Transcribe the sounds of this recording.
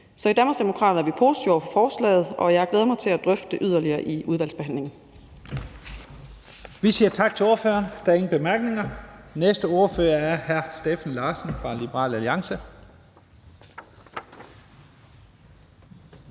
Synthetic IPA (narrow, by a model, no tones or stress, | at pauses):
sɒ̽id̥ænm̥ɐsd̥emo̝kʰʁɑ̰ːd̥ɐæɐʋipʰo̝ːsi̥d̥ʰioɐpʰɒ̽fɒːslɛ̰ːð̞̩ˠʔɒ̽jɑhɡ̥leːð̞̩ˠmɑɪt͡sʰe̝læd̥ʁœfd̥əʔyð̞ˠɐliɐːʔiʔuð̞ˠʋæl̰sb̥e̝ɦæn̰le̝ŋn̩ | ʋisiːɐt͡sʰɑ̈ɡ̥̚t͡sʰe̝lo̝ɐfø̰ːɐnd̥æe̝ŋn̩b̥e̝mæɐɡ̥ne̝ŋɐnesd̥əo̝ɐfø̰ːɐæɐhæɐsd̥efn̩lɑ̈ːsən̩fʁɑ̈lib̥əʁɑ̰̈ːlæliɑ̈ŋsə